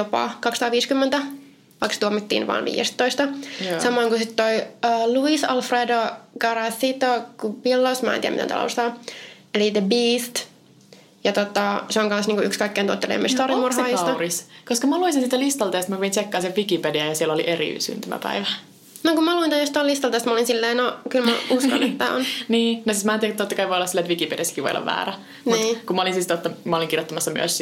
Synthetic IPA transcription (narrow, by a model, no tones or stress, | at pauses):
jopɑ̰kɑksɑ̥t̪ɑːʋiːskymːent̪æ | ʋɑikse̥t̪uomːit̪ːḭːnʋɑ̰ːnʋḭːjḛst̪ːoist̪ɑsɑmoɑŋkusit̪t̪oiəːluisɑlfreːdoɡɑɾɑθit̪okupilːosmæ̰ˑḛniːæ̰mḭtḛnɑ̰lo̰ust̪ɑː | elit̪ebiːst̪ | jɑt̪ot̪ɑseoŋɡɑnsniːŋkuʔykskɑikːeːnt̪uot̪ːelḛmːist̪ɑrimurhɑːjist̪ɑriskoskɑmɑluisinsiːt̪ælist̪ɑlt̪eːst̪mæpieinsekːɑːnseʋʋikipediæjɑsieloliʔerḭy̰sy̰nt̪æmæ̰pæ̰iʋæ | nokumɑluint̪æjost̪ɑolist̪ɑlt̪eːst̪mɑolinsilːeːnokylmæusɑnet̪ːæ̰ːo̰nniːnosiːsmæːnt̪iækt̪ot̪ːɑkɑjʋojolːɑsilːæet̪ʋikipediæsːkiʋo̰jo̰lːɑ̰ʋæ̰ːɾæ | nuiːkumɑolinsist̪ot̪ːɑmɑoliŋkirjot̪ːɑmɑsːɑmy̰ø̰s